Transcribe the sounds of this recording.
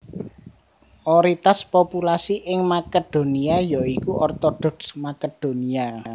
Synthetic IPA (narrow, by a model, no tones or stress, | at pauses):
ʔɔɾit̪aspopulasiʔɪŋmaked̪̥o̤niajɔikuʔɔrt̪ɔd̪̥ɔ̤ksmaked̪̥o̤nia